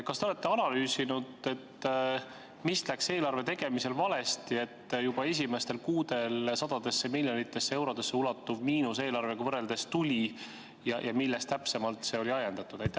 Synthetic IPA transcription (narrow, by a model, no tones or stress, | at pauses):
kɑst̪eole̞t̪ːe̞ɑnɑlyːsinud̪̥e̞t̪ː | mist̪lækse̞ːlɑrve̞t̪e̞ɡ̥e̞mise̞lvɑle̞st̪ie̞t̪ːjub̥ɑe̞s̬ʲime̞st̪e̞lkuːd̪̥e̞lsɑd̪̥ɑd̪̥e̞sːemilʲjonit̪ːˑe̞sːee̞wɾo̞d̪̥e̞sːeulɑt̪ːuvmiːnus̬e̞ːlɑrve̞ɡ̥ɑvɤre̞ld̪̥e̞st̪ulʲi | jɑjɑmilːest̪æpse̞mɑlt̪se̞o̞lʲiɑjend̪̥ɑt̪ːˑud̪̥ɑjt̪ːˑæ